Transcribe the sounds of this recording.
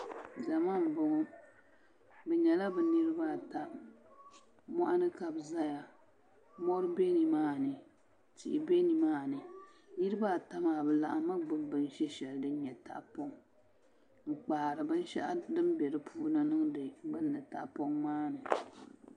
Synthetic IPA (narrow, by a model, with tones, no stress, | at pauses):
za˨ma˦˨m˨bʊ˨ŋɔ˦ | bɛ˨ɲɛ˨la˦bɨ˨nɨ˦ɾɨ˦ba˦˨ta˨ | mɔ˦ʔa˦nɨ˦ka˨bza˦ja˨ | mɔ˦ɾɨ˦be˦ni˨maː˦˨nɨ˨ | tḭ˨ʔi˨be˦ni˨maː˦˨nɨ˨ | nɨ˦ɾɨ˦ba˦˨ta˦maː˨bɨ˨la̰˨ʔa˨ma˦ɡ͡bɨ˦m˦bɨ˦n˦ʃɛ˦ʃɛ˨ldɨ˦n˦ɲɛ˨ta̰˨ʔpo˦ŋ | ŋ͡m̩˨k͡pa˨ɾɨ˨bɨ˦n˦ʃɛ̰˦ʔa˦dɨ˦mbɛ˨ɾɨ˦pʰuː˦na˦nɨ˦ŋ˦dɨ˨bɨ˦nːɨ˨ta̰˨ʔpo˦ŋmaː˦nɨ˨